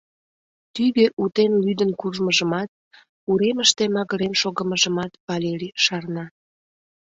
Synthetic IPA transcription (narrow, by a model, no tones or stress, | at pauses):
t̪yβeʔut̪enlyd̪ənkuʒməʒəmɑt̪̚ | uɾeməʃt̪emɑɣəɾemʃoɣə̆məʒə̆mɑt̪pɑlʲeɾiʃɑrnɑ